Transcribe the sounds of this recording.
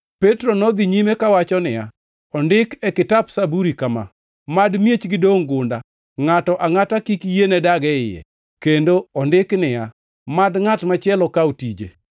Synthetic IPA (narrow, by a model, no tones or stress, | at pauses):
pɛtɾonɔd̪iɲimekawat͡ʃɔnɪja̰ | ɔndɪkɛkɪtapsabuɾikama̰ | madmjet͡ʃɡɪdoŋɡʊnda | ŋatɔʔaŋatakikjenɛdaɡɛɪjɛ̰ | kendoɔndɪknɪja | madŋatmat͡ʃɪɛlɔkaotid͡ʒḛ